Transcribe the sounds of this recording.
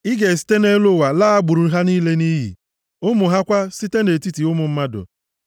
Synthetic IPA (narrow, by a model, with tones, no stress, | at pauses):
ɪ˦ɡe˨s̬i̥˦te˦ne˦lo˦˨wa˨laː˦a˦ɡ͡bu˨ɾu˨˦ɦa˦niː˦le˦ni˦ɦḭ˨ | ʊ˦mʊ˨ɦa˦kʷa˦si˦te˦ne˨ti˦ti˨ʊ˦mʊ˨m̩˦ma˦dʊ̰˨